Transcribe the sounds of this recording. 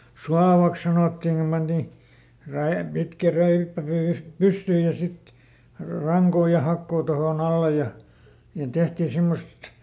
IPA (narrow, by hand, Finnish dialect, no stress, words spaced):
suɑʋɑks sɑnoˑtːiŋ kum pɑnti ræe pitkæ ræipːæ py pystyːj jɑ sit rɑŋkoː jɑ hɑkːoː tohoˑn ɑlːe jɑ niːn tehtiː simːost